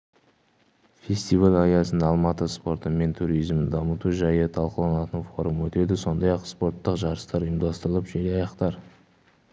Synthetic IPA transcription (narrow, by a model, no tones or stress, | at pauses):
fʲe̞st̪ivalʲɑjɑsənɑlˠmɑt̪əspo̞ɾt̪əme̞nt̪ʰuɾijzmd̪ɑmət̪uʒɑjət̪ʰɑlˠqəlˠɑnɑt̪ənfo̞ɾumwɵt̪e̞d̪ɪso̞nd̪ɑjɑqspo̞ɾt̪ːəqʒɑɾəst̪ɑɾəjəmd̪ɑst̪əɾəlˠəpʒelɑjɑqt̪ɑɾ